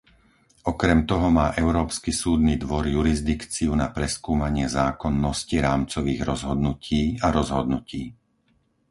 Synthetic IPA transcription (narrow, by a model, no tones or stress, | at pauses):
ɔkɾɛmt̪ɔɦɔmaːʔɛʊɾɔːpskisuːd̪nid̪ʋɔɾjuɾizd̪ikt͡siunapɾɛskuːmaɲɪɛzaːkɔnːɔsciɾaːmt͡sɔʋiːɣɾɔzɦɔd̪nucʰiːaɾɔzɦɔd̪nuciː